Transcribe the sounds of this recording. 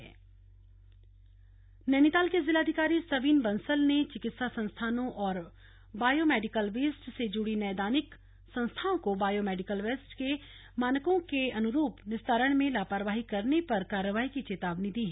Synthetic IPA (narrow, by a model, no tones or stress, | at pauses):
ɛː | nɛːnɪt̪aːlkezɪlaːd̪ʱɪkaːɾisɐʋiːnbɐ̃nsəlnet͡ʃɪkɪt̪sasɐ̃nst̪ʰaːnõʔɔːɾ | baːjomɛːɖɪkəlʋeːsʈsed͡ʒʊɽinɛːd̪aːnɪk | sɐ̃ñst̪ʰaõkobaːjomɛːɖɪkəlʋeːsʈke | maːnəkõkeɐnʊɾuːpnɪst̪ʰaːɾəɽ̃mẽlaːpaːɾʋaːɦikɐɾnepɐɾkaːɾəʋaːɦikit͡ʃeːt̪aːʋnid̪iːɦɛ